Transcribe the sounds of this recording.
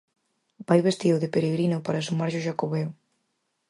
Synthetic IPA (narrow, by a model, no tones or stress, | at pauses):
bajβest̪iðʊðepeɾeɣɾinʊpaɾasumaɾʒʊʃakoβɛw